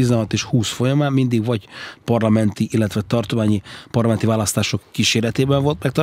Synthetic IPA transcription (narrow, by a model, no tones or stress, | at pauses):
izɛnɦɒt̪eːʃhuːsfo̞jɒmaːmmind̪iɡvɒɟpɒrlɒmɛnt̪iʔilːɛt̪ʋɛt̪ɒrt̪omaːɲipɒrlɒmɛnt̪ivaːlɒst̪aːʃo̞kːiːʃeːɾɛt̪eːbɛɱvo̞lt̪mɛkt̪ɒ